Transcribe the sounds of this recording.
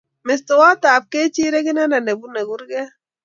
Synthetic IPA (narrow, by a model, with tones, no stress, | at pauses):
mɛ˨stɔ˨wa˦taː˨p̚ke˦t͡ʃi˦ɾe˦ɡi˦na˦na˨ne˨bu˦ne˨ɡu˦ɾɡɛ˦